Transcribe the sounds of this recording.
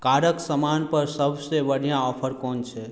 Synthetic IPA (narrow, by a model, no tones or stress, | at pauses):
kaɾəksəmanpəɾsəbsebəɽijãɔpʰəɾkont͡ʃʰɛ